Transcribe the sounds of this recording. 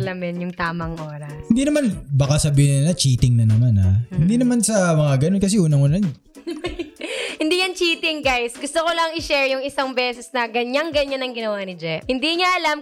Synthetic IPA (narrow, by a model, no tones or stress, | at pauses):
lɐmɪnjʊŋt̪aːmɐŋʔoːɾɐshɪnd̪inɐmanbakasɐbiːhɪnɪnnɐt͡ʃiːt̪ɪŋnɐnɐmana̰hɪnd̪inɐmansɐmɐŋaɡɐnonkɐs̬ɛʔuːnɐŋʊna | hɪnd̪iːjɐnt͡ʃiːt̪ɪŋɡajsɡʊst̪okolɐŋɪʃɛɹjʊŋɪsaŋbɛːsɛsnɐɡɐɲaŋɡɐɲanːɐŋɡɪnɐwanɪd͡ʒɛphɪnd̪iŋaʔɐlam